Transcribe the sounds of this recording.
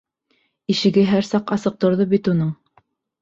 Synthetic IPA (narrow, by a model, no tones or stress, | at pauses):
iʃɘ̆ɡɘɦæɾsɑqɑsɤ̆q̚t̪ŏɾðɤbit̪unɤɴ